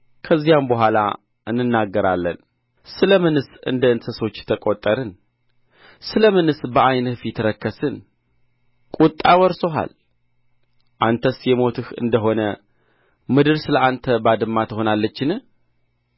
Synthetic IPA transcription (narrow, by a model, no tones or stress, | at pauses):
kʰəzːijambəɦʷala̰ | ʔɨnːɨnːaɡːəɾa̰lːə̰n | sɨləmɨnɨsɨ̰nd̪əɨnt̪ʰəswot͡ʃːt̪ʰəkʼot̪ʼːəɾɨn | sɨləmɨnɨsbəʔajnɨfit̪ɾəkːəsɨn | kʼut̪ʼːawɔɾsoɦa̰l | ʔant̪ʰəsjɛmo̞t̪ʰɨhɨ̰nd̪əɦo̞nə | mɨd̪ɨɾsɨləʔant̪ʰəbad̪ɨmːat̪ʰəho̞nalːət͡ʃːɪnɨh